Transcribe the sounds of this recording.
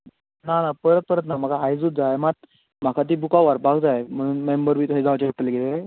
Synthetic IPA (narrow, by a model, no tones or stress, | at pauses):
nanapəɾət̪̚pəɾət̪nam̤aɡaajd͡zut̪̚d͡zaemat̪̚ | m̤akʰat̪̬iːbukaʋaɾbaɡd͡zajm̤əɽ̃uːnmembəɾbʱiːt̪uɦĩd͡zaʋat͡ɕeəʈːəleɡeleɾa